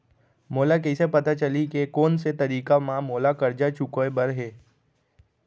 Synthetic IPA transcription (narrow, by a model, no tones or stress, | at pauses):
moːlakɛɪsepɐt̪at͡ʃəlikekoːnset̪ɐɾiːkamãmoːlakɐɾd͡ʒat͡ʃʊkoebɐɾɦeː